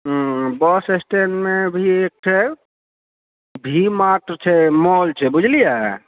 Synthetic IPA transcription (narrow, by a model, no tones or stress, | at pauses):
bɔsesʈenmebʱiek̚ʈʰɛ | bʱimaʈɾt͡ʃʰɛmɔlt͡ʃʰɛbud͡ʒʱlija̰